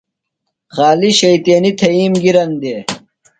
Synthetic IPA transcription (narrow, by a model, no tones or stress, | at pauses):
xaːliɕɐjt̪eːnit̪ʰɐiːmɡiɾɐnd̪e